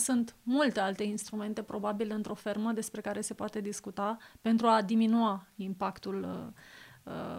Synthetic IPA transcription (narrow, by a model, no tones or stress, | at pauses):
sunt̪mult̪ealt̪e̞inst̪ɾume̞nt̪e̞pɾo̞babilɨnt̪ɾo̞fe̞rməd̪e̞spɾe̞kaɾe̞se̞poat̪e̞d̪iskut̪ape̞nt̪ɾuad̪iminuaimpakt̪ul | ə̰